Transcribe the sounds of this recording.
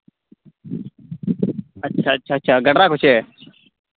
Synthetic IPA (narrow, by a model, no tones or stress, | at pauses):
ətːʃʰaːətːʃʰaːtːʃʰaːɡəɽɾaːkʊt͡ʃʰeː